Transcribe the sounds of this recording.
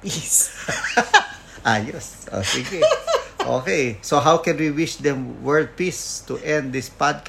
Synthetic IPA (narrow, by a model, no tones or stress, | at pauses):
pis | ʔajɛs | o̰sɪ̃ŋkɪʔo̰ːkejsoɦawkɛ̃nwiwɪʃd̪ɛ̃mwɛ˞d̪̚pist̪uʔɛ̃nd̪̚ːɪspad̪̚k